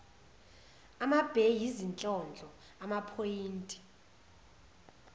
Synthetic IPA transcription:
amab̥ʱejizint͡ɬʼɔnd͡ɮʱɔ | amapʰojiːntʼi̥

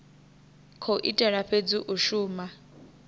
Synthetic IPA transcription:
kʰoʔitʼɛɺaɸʰed͡ziʔuʃuːma

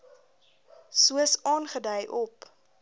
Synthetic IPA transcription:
suəsɑːnχədəjʔɔp

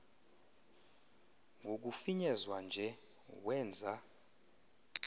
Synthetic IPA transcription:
ŋɡʱok̬ufiɲɛzwand͡ʒʱɛ | wɛːnd͡zʱa

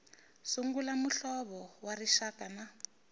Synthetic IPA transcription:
suŋɡulamuɬɔβɔwariʃakana

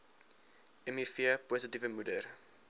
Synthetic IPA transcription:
ɛmifiəposətivəmudər

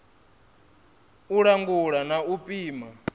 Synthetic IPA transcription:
uɺaŋɡuɺanaupʼiːma

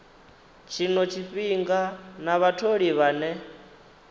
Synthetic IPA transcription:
t͡ʃʰinɔt͡ʃʰiɸiŋɡanaβatʰoɺiβaːnɛ

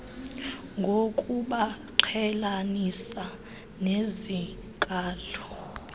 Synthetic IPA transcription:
ŋɡʱokʼuɓa | ǃʰɛlanisa | nezi | kʼaːlɔ

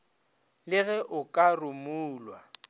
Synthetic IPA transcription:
lɪɣɛʔʊkʼarʊmuːlwa

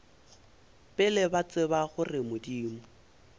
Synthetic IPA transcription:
pʼɪlɛbat͡sʼɪbaχʊrɪmʊdiːmʊ

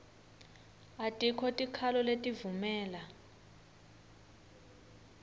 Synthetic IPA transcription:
atʼikʰɔtʼikʰalɔletʼivumɛːla

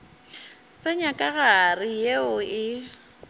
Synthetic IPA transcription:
t͡sʼaɲakʼaɣarɪjeʊɪ

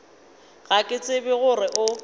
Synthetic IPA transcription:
ɣakʼɪt͡sʼɪbɪɣʊrɪʔʊ

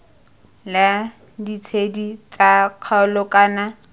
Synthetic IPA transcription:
lɪ | dit͡sʰedit͡saq͡χʰaʊlʊkʼaːna

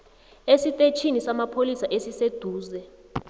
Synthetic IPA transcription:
esitʼet͡ʃʰinisamapʰolisaʔesised̥ʱuːzɛ

